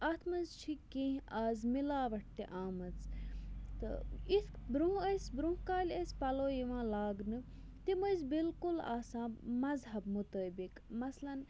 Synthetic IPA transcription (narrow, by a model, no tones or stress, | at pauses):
ʔɐt̪ʰmɐzt͡ʃʰikĩɦaːzmilaːʋɐʈʈ̪ːeʔaːmɐt͡s | t̪ɨ̰it̪ʰbɾũɦɐsbɾũɦkaːlʲɐsʲpɐloːjiʋãːlaːɡnɨ | t̪imɐzbilkula̰ːsãːmɐzɦɐbmut̪əːbikmɐslɐn